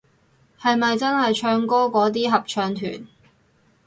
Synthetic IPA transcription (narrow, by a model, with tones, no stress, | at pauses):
hɐ˨jmɐ˨jt͡sɐ˥nhɐ˨jt͡ʃʰœː˧ŋkɔː˥kɔː˨˥t̪̬iː˥ɦɐ˨p̚t͡ʃʰœː˧ŋt̪ʰy̰ː˨˩n